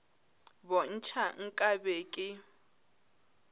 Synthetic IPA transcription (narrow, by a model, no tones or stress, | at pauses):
bɔn̩t͡ʃʰaŋ̩kʼabeːkʼɪ